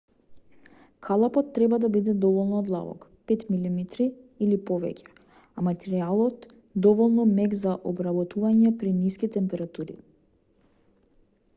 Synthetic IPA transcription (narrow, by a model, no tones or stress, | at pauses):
kʰalˠapɔt̪ːɾɛbad̪abid̪ɛd̪ɔvɔlˠnɔd̪lˠa̰vɔ̰kpɛt̪milimit̪ɾiːlipɔvɛ̰cʰʲɛ̥ | amat̪ɛɾialˠɔt̪ | d̪ɔvɔlˠnɔmɛɡzaʔɔbɾabɔt̪uvaɲɛpɾiniskit̪ɛmpɛɾat̪uɾḭ